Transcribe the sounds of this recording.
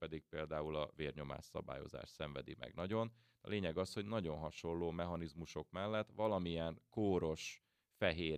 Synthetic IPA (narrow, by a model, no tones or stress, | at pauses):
pɛd̪ik̚peːld̪aːulɒveːrɲo̞ma̰ːʃsɒ̰ba̰ːjo̞̰za̰ːʃsɛɱvɛd̪ḭmʔɛ̰ɡnɒɟo̞n | ɒ̰leːɲɛɡɒsho̞ɟnɒɟo̞nɦɒʃo̞lːoːmɛɦɒnizmuʃo̞kmɛlːɛt̪ːʋɒlɒmijɛnkoːɾo̞ʃ | fɛɦeː